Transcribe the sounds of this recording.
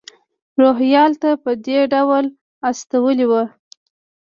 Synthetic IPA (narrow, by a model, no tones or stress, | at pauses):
ɾoɦjɑlt̪apəd̪eɖawl | ast̪awəliwə